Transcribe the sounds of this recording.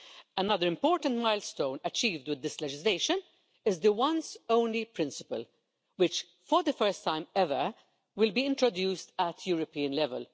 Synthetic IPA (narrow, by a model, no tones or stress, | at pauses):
ənʌðəɾɪ̃mpɔːɹtə̃ntmaɪlstõʊ̃nɐt͡ʃiːvdwɪd̪ːɪslɛd͡ʒɪsleɪʃə̃n | ɪzd̪əwʌ̃nzõʊ̃nlipɾɪ̃nsɪpə̰l | wɪt͡ʃ | fɔɾd̪əfɛɾstːãɪ̃mɛvə | wɪlbiːɪ̃ntɹɔdjuːstətʰjuːɾɔpiːə̃nlɛvə̰l